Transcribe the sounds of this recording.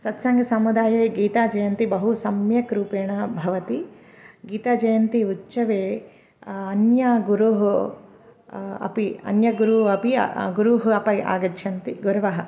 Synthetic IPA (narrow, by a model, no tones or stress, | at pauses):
sɐt̪sɐŋɡɐsɐmud̪aːjeːɡiːt̪aːd͡ʒɐjɐnt̪ibɐɦusɐmjɐkɾuːpeːɳɐbʱɐʋɐt̪i | ɡiːt̪aːd͡ʒɐjɐnt̪iutːt͡ʃɐʋeː | ɐnjɐɡuɾuɦu | ɐ̰piɐ̰njɐɡuɾuɐpḭɡuɾuɦuɐpɐa̰ːɡɐt͡ʃʃʰɐnt̪iɡuɾɐʋɐɦɐ